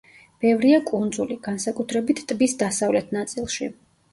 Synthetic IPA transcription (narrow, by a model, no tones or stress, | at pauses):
b̥ɛvɾiakʼund̪zuliɡansakʼut̪ʰɾɛbit̪ʰt̪ʼbisd̪asavlɛt̪ʰnat̪sʼilˠʃḭ